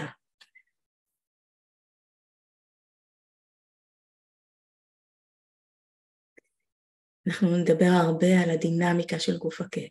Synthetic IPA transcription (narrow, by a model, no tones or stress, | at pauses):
anaχnuned̪abe̞ʁaʁbe̞alad̪inamikaʃelɡufake